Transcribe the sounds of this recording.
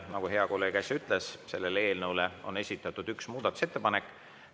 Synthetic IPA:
nɑɡ̥uɦe̞ɑko̞lːe̞ːɡ̥æsʲyt̪ˑlesse̞lːe̞lee̞ːlnɤwleo̞̰ne̞sʲit̪ːˑɑt̪ːˑud̪yksmuːd̪̥ɑt̪ˑu̥se̞t̪ːe̞pɑnekːˑ

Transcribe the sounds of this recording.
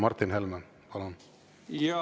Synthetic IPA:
mɑrt̪ːinhelmæn | pɑlon

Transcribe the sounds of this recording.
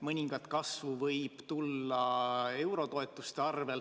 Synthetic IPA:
mɤnʲiŋɡ̥ɑt̪kɑsvuvɤjb̥t̪ulːɑe̞wɾo̞t̪o̞et̪ːˑust̪eɑrve̞l

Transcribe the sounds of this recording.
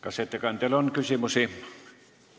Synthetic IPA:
kɑset̪ːɑkɑˑnt̪elonkysimusi

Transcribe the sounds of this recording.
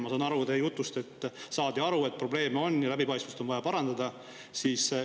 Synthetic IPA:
mɑsɑːnɑɾut̪ejut̪ːˑust̪e̞t̪ːˑsɑːd̪̥iɑɾue̞t̪̚pro̞ble̞ːmeo̞nːjɑlæbipɑjst̪must̪o̞nɑjɑpɑɾɑnd̪ɑd̪ɑ | siːs

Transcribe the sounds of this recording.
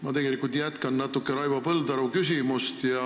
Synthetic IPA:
mɑt̪e̞ɡe̞likːˑult̪jæt̪kɑnnɑt̪ːˑukːˑeɾɑjvɑpɤld̪ɑɾukysʲimust̪jɑ

